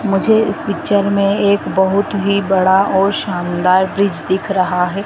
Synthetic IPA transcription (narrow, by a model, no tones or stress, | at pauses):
mʊd͡ʒʱeɪspɪt͡ʃəɾmẽeːkbɐɦʊt̪ɦibɐɽaʔɔːɾʃaːnd̪aːɾbɾɪd͡ʒd̪ɪkʰɾɐɦaɦɛː